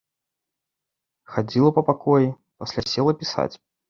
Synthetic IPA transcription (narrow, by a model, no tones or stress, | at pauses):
xad͡zʲilˠɐpɐpakɔji | pasʲlʲasʲɛlˠɐpʲisa̰t͡sʲ